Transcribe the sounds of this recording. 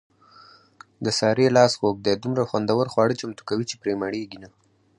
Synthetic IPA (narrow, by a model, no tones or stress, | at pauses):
d̪əsɑɾelɑsxok̚d̪ed̪umɾaxwand̪awəɾxwɑɽət͡ʃamt̪u̥kawit͡ʃepɾemaɽeɡina